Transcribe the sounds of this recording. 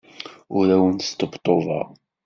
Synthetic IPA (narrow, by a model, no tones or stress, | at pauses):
ʊɾæwənst̪əbt̪ˤːovɑ̰